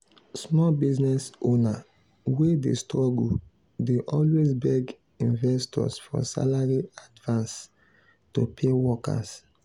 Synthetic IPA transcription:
smɔlbiznɛsona | wedestɹɔɡu | deʔɔlwesbɛɡ | ĩnvɛstɔ̰sfɔ̰sa̰laɹiadvãns | topʰewɔka̰s

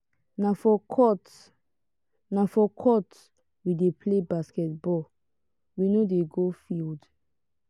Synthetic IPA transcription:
nafɔɔt | nafɔkʰɔt | widepʰlebaskɛt̚bɔ | winodeɡofild

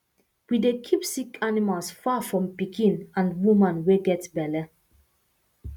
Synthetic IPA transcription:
widekʰipsikʰanimalsfafɹɔ̃mpikʰĩnãnwumãnweɡɛtbɛlɛ

